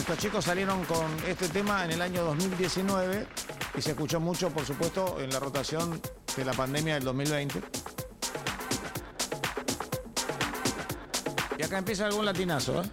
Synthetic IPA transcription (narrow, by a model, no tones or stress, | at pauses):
et̪ost͡ʃikosːalje̞ɾo̞ŋkonest̪et̪̬emaenelaɲo̞ðozmild̪je̞sinweβeisehkut͡ʃo̞mut͡ʃo̞poɾs̬upwe̞st̪o̞ʔenlarot̪asjo̞n | d̪elapand̪emjaðeld̪o̞smilβejnt̪e | iakaempje̞s̬aːlɣunlat̪̬inaso̰e